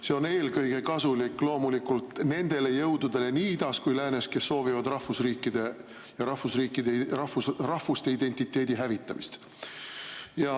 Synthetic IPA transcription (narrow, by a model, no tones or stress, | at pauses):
se̞o̞ne̞ːlɡɤjɡe̞kɑsulikːˑlo̞ːmulikult̪ne̞nd̪̥e̞le̞jɤwd̪ud̪̥e̞le̞niːid̪̥ɑskujlæːne̞ske̞sːo̞ːvivɑd̪rɑhvusriːkːˑid̪̥e̞ | jɑɾɑhusriːkːˑid̪eɑhvusrɑhvust̪eid̪̥e̞nʲt̪it̪ˑːe̞ːd̪iɦævit̪ːˑɑmist̪ | jɑ